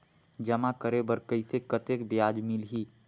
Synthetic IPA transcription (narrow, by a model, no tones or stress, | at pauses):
d͡ʒɐmakəɾebəɾkəisekət̪ekbjaːd͡ʒmɪlɦiː